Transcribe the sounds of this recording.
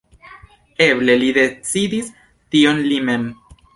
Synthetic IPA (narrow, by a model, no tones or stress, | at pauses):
eble̞lid̪e̞t͡sidis | tio̞nlime̞m